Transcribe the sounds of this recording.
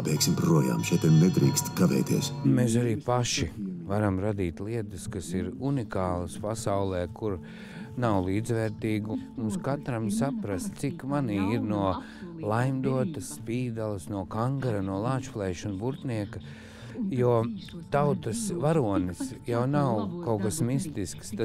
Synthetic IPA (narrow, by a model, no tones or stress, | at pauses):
bʲɛjksimpɾuɔja̰ːmʃɛt̪ɛnɛd̪ɾiːkst̪kaʋɛ̰ːjt̪iɛsmesaɾiːpaʃivaɾamɾad̪iːt̪lˠiɛt̪əskasiɾunikaːlˠɐspasawlˠɛːkuɾ | nawlˠiːd̪zʋɛːɾt̪iːɡumunskat̪ɾamsapɾast̪t̪sikmaniːiɾnuɔ | lˠajmd̪uɔt̪ɐsːpiːd̪alˠəsnuɔkaŋɡaɾanuɔlˠaːt͡ʃplˠɛːʃunbuɾt̪niɛkɐ | juɔt̪awt̪əsʋaɾuɔnɨsjawnawkawkasmist̪iskst̪a